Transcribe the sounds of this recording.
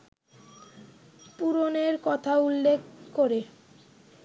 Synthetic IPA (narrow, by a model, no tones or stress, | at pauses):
puɾoneɾkɔt̪ʰaulːekkoɾe